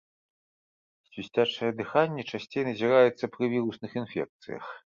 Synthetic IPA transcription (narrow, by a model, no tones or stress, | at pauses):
sʲisʲt͡sʲat͡ʂɐjɐd̪ɨxanʲːɛt͡ʂasʲt͡sʲejnɐzʲiɾajɛt̪sːɐpɾɨvʲiɾusnɨxinfʲɛ̰k̚t̪sɨ̰jɐ̰x